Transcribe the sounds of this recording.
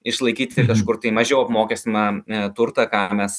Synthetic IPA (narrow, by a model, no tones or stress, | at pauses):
ɪʃlˠɐɪkʲiːt̪ʲɪkɐʃkʊrt̪ɐɪmɐʒʲɛʊɐpmoːkʲɛsʲt̪ʲmɑt̪ʊrt̪ɐkɑːmʲɛs